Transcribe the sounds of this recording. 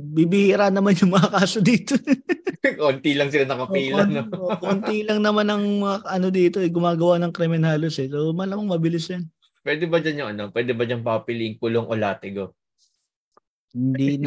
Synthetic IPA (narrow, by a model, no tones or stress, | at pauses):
bibɪhiːɾanɐmanjʊŋmɐŋakaːsod̪iːt̪o | kont̪ilɐŋsɪlanɐkɐiːlɐnookont̪ilɐŋnɐmanɐŋmɐŋɐʔɐno̞d̪iːt̪o̞ʔɐɡʊmaːɡɐwanɐŋkɾɛmɛnhaːlosɛsomɐlamɐŋmɐbɪlɪsjɐn | pwɛd̪ɛbɐd͡ʒanjʊŋʔɐnopwɛːd̪ɛbɐd͡ʒanpɐppɪliɪŋkʊloŋʔolaːt̪ɛɡo | hɪnd̪in